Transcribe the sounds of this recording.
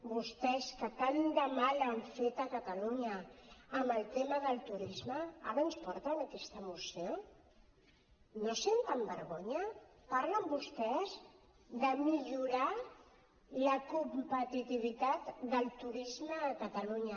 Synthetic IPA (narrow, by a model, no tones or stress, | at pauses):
bust̪ɛskəkand̪əmaləɱfet̪əkət̪əluɲəːməlˠt̪eməðəlˠt̪uɾizməa̰ɾənspɔɾt̪ənakɛst̪əmusio | nosent̪əmbəɾɣoɲəpaɾləmbust̪ɛz | ðəmiʎuɾa | ləkumpət̪it̪iβ̞it̪at̪d̪əlˠt̪uɾizməːkət̪əluɲə